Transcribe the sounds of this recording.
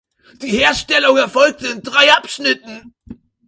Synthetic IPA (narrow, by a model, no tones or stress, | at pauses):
d̥iːheːɐʃtɛlʊŋæɐfɔlk̚təɪndʁaɪapʃnɪtn̩